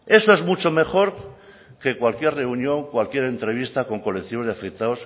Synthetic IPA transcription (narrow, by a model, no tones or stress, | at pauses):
e̞soe̞zmut͡ʃo̞me̞χo̞ɾ | ke̞kwalkjerre̞unjõ̞ŋkwalkje̞ɾe̞nt̪ɾe̞β̞ist̪ako̞ŋko̞le̞k̚t̪iβoðeafek̚t̪aos